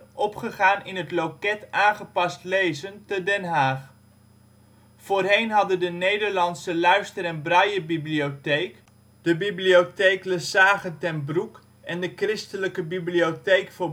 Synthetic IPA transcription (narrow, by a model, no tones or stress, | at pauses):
ɔpχəχaːnɪnɦətlowkɛtaːnχəpɑstlejzəntədɛnɦaːχ | foːrɦejnɦɑdəndənejdəɹlɑnsəlœɥstəɾɛnbrɑjəbibliotejk | d̥əbibliotejkləsaːχəntɛnbruk | ɛndəkrɪstələkəbibliotejkfʊː